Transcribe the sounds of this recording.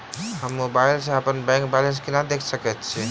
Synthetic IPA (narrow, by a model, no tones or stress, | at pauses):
ɦəmːobailsẽəpənbɛ̃ŋk̚bɛlenskinad̪ekʰsəkɛt̪t͡ʃʰi